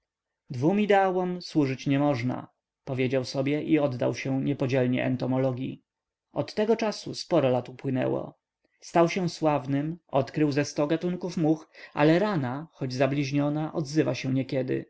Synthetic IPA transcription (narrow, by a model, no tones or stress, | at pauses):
d̪vumid̪ɛawɔmswuʐɘt͡ɕɲɛmɔʐna̰ | pɔvʲjed͡ʑawsɔbʲjɛʔiɔd̪ːa̰wɕɛ̃ɲɛpɔd͡ʑɛlɲɛ̰ʔɛ̰nt̪ɔmɔlɔɡʲjḭ | ɔt̪ːɛɡɔt͡ʂasṵspɔɾɔlat̪upwɘnɛ̰wɔ̰ | st̪awɕɛw̃swavnɘmɔt̪kɾɘwzɛst̪ɔɡat̪uŋkufmuxʔa̰lɛɾanaxɔd͡ʑzablʲiʑɲɔnaʔɔd̪zɘvaɕɛ̃ɲɛkʲɛd̪ɘ̰